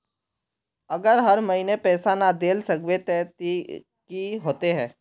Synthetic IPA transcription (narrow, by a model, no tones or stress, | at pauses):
ɐɡəɾɦəɾmɐɦinepɛːsanad̪eːlsəkʋet̪ɛːt̪i | kiɦoːt̪eɦɛ̃ː